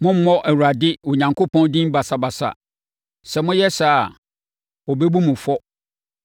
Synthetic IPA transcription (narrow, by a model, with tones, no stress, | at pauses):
mʊ̃˦m̩˦mɔ̃˦ʔæ˨wu˨ɾa˨dɪ˦o˨ɲã˨ŋkʰo˦pʰɔ̃˦n˦dĩ˦mba˨sa˨ba˨sa̰˨ | sɛ˨mʊ̃˦jɛ˦sa˨a˨ | ɔ˨bɛ˦bu˦mʊ̃˨fɔ˦